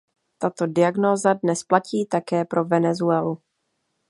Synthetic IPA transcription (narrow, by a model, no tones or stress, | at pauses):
t̪at̪o̞dɪaɡno̞ːzadnɛsplaciːt̪akɛːpɾo̞vɛnɛzuɛlu